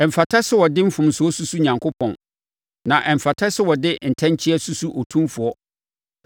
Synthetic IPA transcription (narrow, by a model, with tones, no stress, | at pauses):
ɛ˨m̩˨fa˨tʰa˦sʊ˦wɔ˨dɪ˦m̩˦fʊ̃˨m̩˨sʊ˨ɔ˦su˦su˦ɲã˨ŋkʰʊ˦pʰɔ̰̃˨n | nã˨ʔɛ˨m̩˨fa˨tʰɛ˦sʊ˦wɔ˨dɪ˦n̩˨tʰɛ̃˦ɲ˦t͡ɕʰɪ˦ɛ˦su˦su˦ʔo˨tʰũ˦mfʊ˨ɔ˦